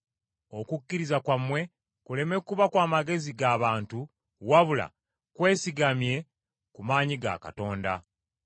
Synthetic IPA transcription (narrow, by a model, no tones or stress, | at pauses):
o̞kukːiɾizakwamːwe̞ | kule̞me̞kːuβakwaːmaɡe̞ziɡaːβaːntu | waβula̰ | kwe̞ːsiɡamje̞ | kumaːɲiɡa̰ka̰to̞ːnda